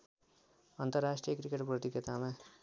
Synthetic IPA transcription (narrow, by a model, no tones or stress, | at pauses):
ʌnt̪ʌrːasʈrijʌkɾikeʈprʌt̪iɡet̪ama